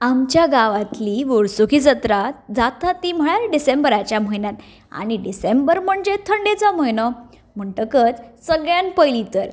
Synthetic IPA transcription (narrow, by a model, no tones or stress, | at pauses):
amt͡ɕjaɡaʋat̪liʋoɽsukid͡zət̪ɾat̪d͡zat̪at̪ːim̤əɭaɾɖisembəɾat͡ɕjam̤əjnjat̪ | a̰ɽ̃iɖisembəɾm̤əɳd͡zet̪ʰəɳɖet͡sam̤əjnɔ | m̤əɳʈəkət͡ssəɡɭjanpəjlit̪əɾ